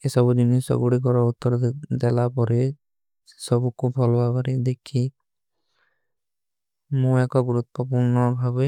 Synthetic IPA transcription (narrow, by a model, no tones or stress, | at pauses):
esɔbud͡ʒinisɔ̰ɡuɽik̬ɔɾɔut̪ːɔɾd̪ɛlapɔɾe | sɔbukubʱɔlɔapaɾid̪ekʰi | mũɛkɔɡuɾut̪ːɔpuɾnɔbʱabe